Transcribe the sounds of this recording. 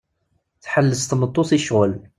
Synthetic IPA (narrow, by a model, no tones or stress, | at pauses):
θħəlːəst̪mət̪ˤːosiʃʁəl